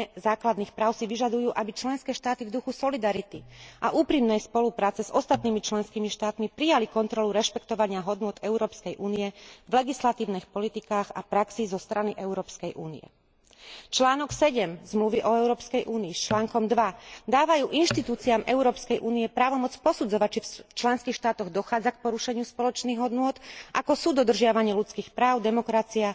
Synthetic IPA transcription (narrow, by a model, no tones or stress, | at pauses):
ɛzaːklad̪niːxpɾaːʊsiʋiʒad̪ujuːʔabit͡ʃlɛnskɛːʃt̪aːt̪ivd̪uxusɔlid̪aɾit̪iʔaʔuːpɾimnɛjspɔlupɾaːt͡sɛzɔst̪at̪niːmit͡ʃlɛnskiːmiʃt̪aːt̪mipɾijalikɔnt̪ɾɔluɾɛʃpɛkt̪ɔʋaɲɪaɦɔd̪nʊɔt̪ɛʊɾɔːpskɛjʔuːniɛvlɛɡislat̪iːʊnixpɔlit̪ikaːɣapɾaksizɔst̪ɾaniʔɛʊɾɔːpskɛjʔuːnḭjɛ̰ | t͡ʃlaːnɔksɛɟɛmzmluʋiʔɔɛʊɾɔːpskɛjʔuːniːst͡ʃlaːŋkɔmd̪ʋad̪aːʋajuːʔinʃt̪it̪uːt͡siamʔɛʊɾɔːpskɛjʔuːniɛpɾaːʋɔmɔt͡spɔsud͡zɔʋac̚t͡ʃift͡ʃlɛnskiːxʃt̪aːt̪ɔɣd̪ɔxaːd͡zak̚pɔɾuʃɛɲɪuspɔlɔt͡ʃniːɣɦɔd̪nʊɔt̪ʔakɔsuːd̪ɔd̪r̩ʒɪaʋaɲɪɛlut͡skiːxpɾaːʊd̪ɛmɔkɾat͡sia